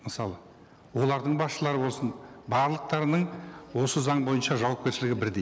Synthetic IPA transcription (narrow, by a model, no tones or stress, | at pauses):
məsɑlˠə | wo̞lˠɑɾd̪əɴbɑsʃəlˠɑɾəbo̞lˠsənbɑɾlˠəq̚t̪ɑɾənəɴwo̞səzɑɴbo̞jənʃɑʒɑwɑp̚kʲe̞ɾʃɪlɪɡʲɪbɪɾd̪ej